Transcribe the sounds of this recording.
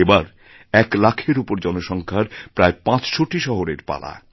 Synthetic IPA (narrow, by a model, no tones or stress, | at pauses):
ebaɾ | ɛklakʰeɾupoɾd͡ʑɔnoʃɔŋkʰaɾpɾaepãt͡ɕʃoʈiʃɔɦoɾeɾpa̰la̰